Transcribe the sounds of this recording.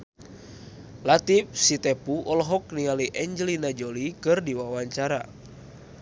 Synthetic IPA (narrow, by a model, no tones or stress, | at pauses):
lat̪if̚sit̪ɛpuʔɔlɦɔknialiʔɛɲd͡ʒəlinad͡ʒolikɨrdiwawaɲt͡ʃaɾa